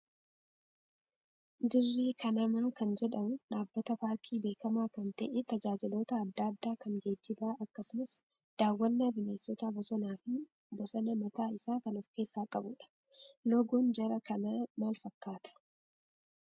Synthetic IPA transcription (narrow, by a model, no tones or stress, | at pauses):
d̪ɪrːiːkʰɐnɐmaːkɐnd͡ʒɛᶑɐmʊᶑaːbːɐt̪ɐpaːɾkʰiːbe̞ːkɐmaːkɐnt̪ɐʔɛt̪ɐd͡ʒaːd͡ʒɪlo̞ːt̪ɐːd̪ːaːd̪ːaːkɐŋɡeːd͡ʒːɪbaːʔɐkːɐsʊnɐs | d̪̥aːwːɐnːɐbɪneːsɔt̪abɔsɔnaːfɪ | bɔsɐnɐmɐt̪aːɪsaːkɐnɔfke̞ːsːaːkʼɐbʊᶑɐ̥ | lɔɡoːnd͡ʒɐɾɐkɐnamaːlfɐkːaːt̪ɐ̥